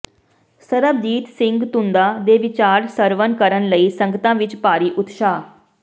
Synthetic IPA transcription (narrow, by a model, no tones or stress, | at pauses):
səɾəbd̪iːt̪sɪ̃ŋɡt̪ʊnd̪aːd̪eːʋɪt͡ʃaːɾsəɾʋənkəɾənləiːsəŋɡt̪ãːʋɪt͡ʃpaːɾiːʔʊt̪ʃaː